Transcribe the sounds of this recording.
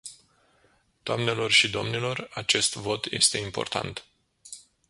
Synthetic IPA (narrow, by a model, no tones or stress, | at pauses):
d̪̥oamne̞lo̞rʃid̪o̞mnilo̞rat͡ʃe̞st̪vo̞t̪je̞̰st̪e̞impo̞̰rt̪a̰nt̪